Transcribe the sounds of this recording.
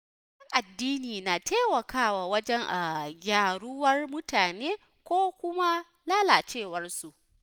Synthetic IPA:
ɪ˦ŋʔa˨dːiː˦niː˨na˨tʰeː˦wɐ˨kaː˦waː˨wɐ˦d͡ʒɛ˦ŋʔa˨ɡʲaː˨ɽʊ˦wɐ˦rmʊ˦taː˨neː˦ | kʷoː˦kʷʊ˦ma˦ | laː˦laː˨t͡ʃeː˦˨wɐ˦rsu˨ʔ

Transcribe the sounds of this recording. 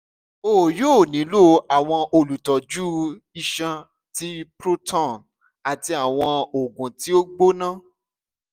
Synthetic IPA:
o˦˨joː˦˨nĩ˨˦lo˦a˨w̃ɔ̃˧ʔo˧lu˨tɔ˨d͡ʒu˦ | i˧ʃã˧ | ti˦pɾo˦tɔ̃˦˨n | a˨ti˧a˨w̃ɔ̃˧o˨ɡũ˨ti˨˦o˦ɡ͡bo˦nã˦˨

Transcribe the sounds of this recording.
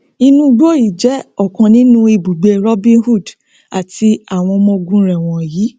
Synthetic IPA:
i˧nũ˦˧ɡ͡bo˦˨i˨d͡ʒɛ˨˦ɔ˦˨kã˧nĩ˨˦nũ˦i˧bu˨ɡ͡be˧ɾɔ˦bĩ˦hu˦˨d | a˨ti˧a˨w̃ɔ̃˧mɔ̃˧ɡũ˦ɾɛ˨w̃ɔ̃˧˨jiː˨˦

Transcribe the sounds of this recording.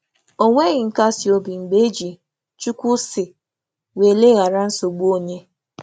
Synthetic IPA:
o˦ŋʷe˦ɣɪ˨ŋ̩˨ka˦si˨o˨bi˨ŋ͡m̩˨ɡ͡be˦d͡ʒi˨ | t͡ʃu˦kʷʊ˦sɪ˨ | we˨le˦ɣa˨ɾa˦n̩˦so˨ɡ͡bu˦o˦ɲe˦

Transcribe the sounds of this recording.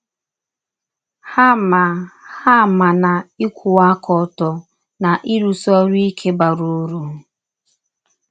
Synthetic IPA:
ha˦ma˨ha˦˨ma˨na˨i˦kʷʰu˨a˦kʰɔ˨˦tɔ˨ | na˨ʔi˦ɾu˨sɔ˦ɾi˦kʰe˦ba˨ɾu˨˦ɾu˨

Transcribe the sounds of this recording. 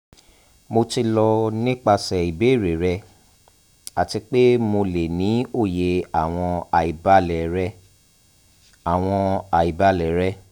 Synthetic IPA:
mo˧ti˧lɔ˧nĩ˦k͡pa˧sɛ˨i˨be˨˦˨ɾe˨ɾɛ˧ | a˨ti˧k͡pe˦mo˧le˨nĩ˨˦o˦˨je˧a˨w̃ɔ̃˧a˨i˨ba˨˦lɛ˨ɾɛ˧ | a˨w̃ɔ̃˧a˨i˨ba˧˦lɛ˨ɾɛ˦

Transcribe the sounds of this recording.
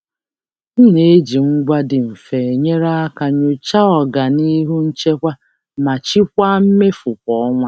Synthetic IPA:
n̩˦ne˨˦d͡ʒi˨ŋ̩˦ɡʷa˦dɪ˨m̩˨fe˨e˨ɲe˦ɾa˦a˦ka˨ɲo˦˨t͡ʃa˦ɔ˨ɡa˨ni˦ɦu˦n̩˦t͡ʃe˦kʷa˦ | ma˨t͡ʃi˦kʷa˦m̩˦me˦fʊ˨kʷɔ˨˦ɔ˦ŋʷa˦

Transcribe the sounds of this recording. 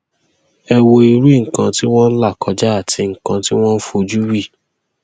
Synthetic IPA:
ɛ˧wo˧i˧ɾu˦i˦ŋ̩˨kã˧ti˦w̃ɔ̃˦n̩˦la˦˨kʰɔ˧d͡ʒa˦a˦˨tʰi˧ŋ̩˨kã˧ti˦w̃ɔ̃˦n̩˦fu˦˧o˧d͡ʒu˦wi˦˨

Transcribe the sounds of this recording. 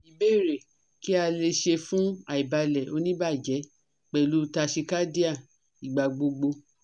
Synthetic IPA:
i˨be˦˨ɾe˨ | ki˦a˧le˧ʃe˧fũ˦a˨i˨ba˧lɛ˨o˧nĩ˦ba˦˨d͡ʒɛ˨˦ | k͡pɛ˨lu˨˦˧ta˧ʃi˧ka˦di˦a˦˨ | i˨ɡ͡ba˨ɡ͡bo˧ɡ͡bo˧

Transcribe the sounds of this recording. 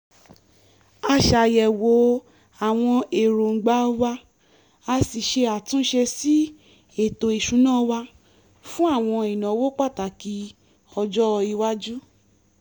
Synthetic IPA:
a˧ʃa˨jɛ˨wo˨˦ | a˨w̃ɔ̃˧e˨ɾo˨ŋ̩˨ɡ͡ba˨˦wa˧ | a˧si˨ʃe˧a˨tũ˦ʃe˧si˦ | e˦˨to˨i˨ʃũ˨˦nãː˦˧wa˧ | fũ˦a˦˨w̃ɔ̃˧i˨nã˨˦wo˦k͡pa˦˨ta˨ki˧˦ | ɔ˧d͡ʒɔ˦˧i˧wa˦d͡ʒu˦

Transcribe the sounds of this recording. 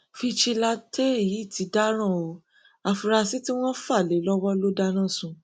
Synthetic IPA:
fi˧ʃi˧la˧tʰe˦˨ji˨˦˨tʰi˨˦da˦ɾ̃ã˦˨o˨˦ | a˨fu˧ɾa˧si˦ti˦w̃ɔ̃˦fa˦˨le˨˦lɔ˦wɔ˦lo˦da˦ñã˦˨sũ˨˧

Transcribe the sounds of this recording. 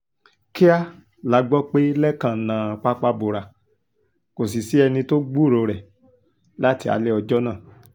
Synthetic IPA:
ke˦a˦ | la˨˦ɡ͡bɔ˦k͡pe˦lɛ˦kã˦˨nãː˨k͡pa˧k͡pa˧bo˨ɾa˨ | ko˨s̬i˨si˨˦ɛ˧nĩ˧to˦ɡ͡bu˦˨ɾo˧ɾɛ˨ | la˦ti˧˦a̰˧˦le˦ɔ˧d͡ʒɔ˦nãː˦˨

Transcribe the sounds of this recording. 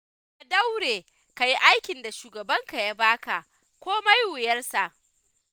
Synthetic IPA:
ʔa˨da˦wɽeː˨ | ka˨ji˦ʔa˦jkʲɪ˨nda˨ʃuː˨ɡɐ˨bɐ˦ŋka˨ja˦baː˦ka˨ʔ | kʷoː˦ma˦jwʊ˨jɐ˦rsa˨ʔ

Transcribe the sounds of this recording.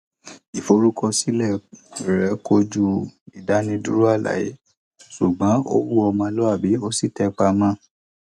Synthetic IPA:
i˨fo˧˦ɾu˦kɔ˧si˦lɛ˦˨ɾɛ˨˦ko˧d͡ʒu˦i˨da˨˦nĩ˧du˦ɾu˦a˦˨la̰˨je˨˦ | su˨ɡ͡bã˨˦o̰˦wu˦ɔ˧mã˧˦lɔ˦a˦˨bi˨˦o˦si˦˨tɛ˧˦k͡pa˧mã˦

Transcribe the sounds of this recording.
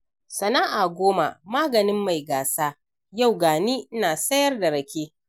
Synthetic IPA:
sɐ˨naː˦ʔaː˨ɡʷoː˦ma̰˨maː˦ɡɐ˨nɪ˦mːa˨jɡaː˨saː˦ | ja˦˨wɡaː˨niː˦ʔnaː˨sɐ˦jɐ˦rda˨ɽɐ˨kʲeː˦

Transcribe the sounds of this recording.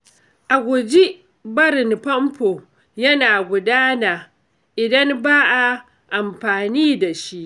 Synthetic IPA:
ʔa˨ɡʷʊ˨d͡ʒi˦ | bɐ˦ɾɪ˨npɐ˦mpoː˨ | jɐ˦naː˨ɡʷʊ˨daː˦naː˨ | ʔɪ˨dɐ˦nbaː˦ʔa˨ | ʔa˨mɸaː˨niː˦da˨ʃi˦ʔ

